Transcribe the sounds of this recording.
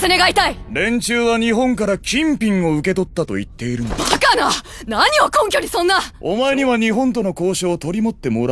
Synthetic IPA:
sene̞ɡait̪aiɾẽ̞ɲt͡ɕɨːβaɲ̟iɦõ̞ŋkaɾakʲĩmpʲĩŋo̞ɯ̟ke̞t̪o̞t̪ːat̪o̞̰ḭt̪ːe̞iɾɯ̟nd̪akana | naɲ̟io̞kõŋkʲo̞ːɲ̟isõ̞nːao̞̰maeɲiβaɲ̟iɦõ̞nt̪̬o̞no̞ko̞ːɕoːt̪o̞ɾʲimo̞t̪ːe̞mo̞ɾa

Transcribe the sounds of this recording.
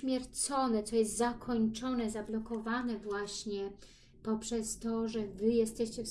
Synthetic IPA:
mʲjɛɾt̪sɔnɛt̪sɔjɛst̪zakʰɔɲt͡ʂɔnɛzablɔkɔvanɛvwaɕɲɛ | pɔpʂɛst̪ɔʐɛvɘjɛst̪ɛɕt͡ɕɛfs

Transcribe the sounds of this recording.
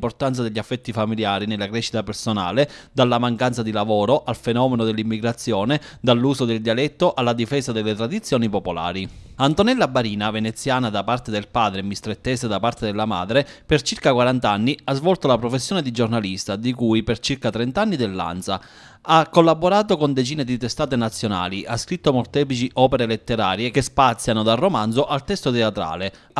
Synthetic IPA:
mport̪ant̪s̬ad̪eʎːafːɛt̪ːifamiljaːɾinelːakɾɛʃːit̪apersona̰ːled̪alːamaŋkant̪sad̪ilavɔːɾoʔalfenɔːmenod̪elːimːiɡɾat̪sːjɔːned̪alːuːsod̪eld̪ialɛt̪ːoʔalːad̪ifɛːsad̪elːet̪ɾad̪it̪sːjɔːnipopola̰ːɾiant̪onɛlːabːaɾiːnavenet̪sːjaːnad̪apart̪ed̪elpaːd̪ɾemist̪ɾet̪ːɛːsed̪apart̪ed̪elːama̰ːd̪ɾepert͡ʃirkakwaɾant̪anːiazvɔlt̪olapɾofesːjɔːned̪id͡ʒornalist̪ad̪ikujpert͡ʃirkat̪ɾent̪anːid̪elːa̰nt̪sa̰ | akːolːabːoɾaːt̪okond̪et͡ʃiːned̪it̪est̪aːt̪enat̪sːjona̰ːliʔaskɾit̪ːomort̪ɛpit͡ʃiʔɔːpeɾelet̪ːeɾaːɾjekespat̪sːjanod̪arːomanzoʔalt̪ɛst̪ot̪eat̪ɾa̰ːle

